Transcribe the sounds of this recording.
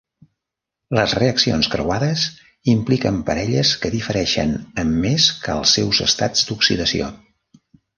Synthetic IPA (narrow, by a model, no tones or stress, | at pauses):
ləzreəksionskɾə̰waðəs | implikəmpəɾɛʎəskəðifəɾɛʃə̰nəmːeskəəlˠsːɛwzə̰st̪ad͡zd̪uksiðəsio̰